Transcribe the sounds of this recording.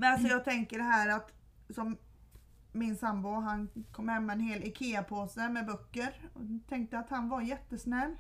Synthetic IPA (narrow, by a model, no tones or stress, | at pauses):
mɛnalsɔjɑːɡ̚t̪ʰɛŋkəɖɛɦæːɾat̪ | sɔmː | ɪnsambʊɦankʰɔmːhɛmːaɛnheːlɛkʰeːapʰoːsəmɛbœkːəɾɔt̪ʰɛŋk̚t̪əat̪hanvajɛt̪ːəsnɛlː